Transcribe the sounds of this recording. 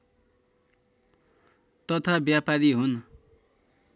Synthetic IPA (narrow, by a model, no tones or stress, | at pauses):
t̪ʌt̪ʰabjapaɾiɦun